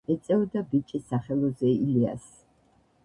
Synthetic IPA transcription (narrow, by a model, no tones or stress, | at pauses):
ɛt̪sʼɛɔd̪abit͡ʃʼisaχɛlˠɔzɛilia̰s